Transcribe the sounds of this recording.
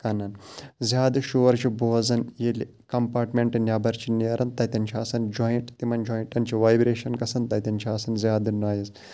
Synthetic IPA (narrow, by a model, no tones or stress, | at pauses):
kɐnɐnzʲaːd̪ɨʃuʋɐɾt͡ʃʰibuʋɐzɐnjeli | kɐmpaːɾʈmeɳʈɨnʲjaːbɐɾt͡ʃʰiniɐɾʔɐnt̪ɐjt̪ʲɐnt͡ʃʰaːsɐnd͡ʒoːjiʈt̪imɐnd͡ʒoːjiɳʈɐnt͡ʃʰiʋaːjbɾeːʃɐnkɐsɐnt̪ɐt̪ɐnt͡ʃʰaːsɐnzʲaːd̪ɨnaːjɐz